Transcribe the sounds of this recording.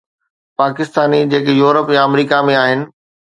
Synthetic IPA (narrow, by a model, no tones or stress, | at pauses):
paːkɪst̪aːnid͡ʑeːkjuːɾəpjãɐmɾiːkamẽaːɦɪnɪ̆